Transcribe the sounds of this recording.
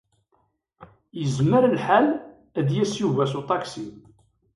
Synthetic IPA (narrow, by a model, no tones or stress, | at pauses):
jəzməɾəlħal | æd̪jæsjuvæsut̪ˤɑksi